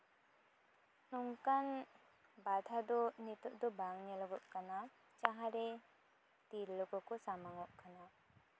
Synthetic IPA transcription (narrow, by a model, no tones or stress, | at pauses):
nuŋkan | bad̪ʱad̪ɔnit̪ɔʔd̪ɔbaŋnɛlɔɡɔʔkana | t͡ʃaɦaɾɛ | t̪iɾlɔkɔkɔsamaŋɔʔkana